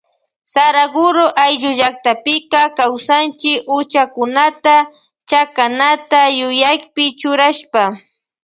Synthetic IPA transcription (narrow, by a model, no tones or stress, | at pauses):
saɾaɡʊɾoʔajʎʊʒak̚t̪apɪkakawsant͡ʃɪkʊt͡ʃakʊnat̪a | t͡ʃakanat̪ajʊjajpɪt͡ʃʊɾaʃpa